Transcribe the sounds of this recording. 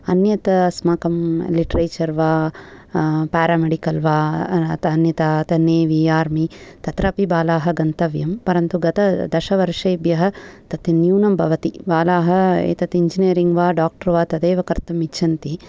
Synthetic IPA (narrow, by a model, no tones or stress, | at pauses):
ɐnjɐt̪ɐsmaːkɐmliʈɐɾeːt͡ʃɐɾʋaː | paːɾaːmeɖikɐlʋaːt̪ɐnjɐt̪at̪ɐneːʋiaːɾmit̪ɐt̪ɾɐpibaːlaːɦɐɡɐnt̪ɐʋjɐmpɐɾɐnt̪uɡɐt̪ɐd̪ɐʃɐʋɐɾʂɐjbjɐɦɐ̆t̪ɐt̪ɐnjuːnɐmbʱɐʋɐt̪ibaːlaːɦɐḛːt̪ɐt̪iɲd͡ʒinijɐɾiŋɡʋaːɖaːk̚ʈɐɾʋaːt̪ɐd̪eːʋɐkɐɾt̪ɐmiʃʰɐnt̪i